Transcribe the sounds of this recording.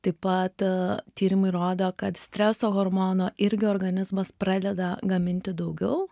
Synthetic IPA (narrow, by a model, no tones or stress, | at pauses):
t̪ɐɪpɐt̪t̪ʲiːɾʲɪmɐɪɾoːd̪oːkɐt̪sʲt̪ʲɾʲɛsoːɣoːɾmoːnoːʔɪɾʲɡʲɪoːɾɡɐnʲɪzmɐspɾɑːd̪ʲɛd̪ɐɡɐmʲɪnʲt̪ʲɪd̪ɐʊɡʲɛʊ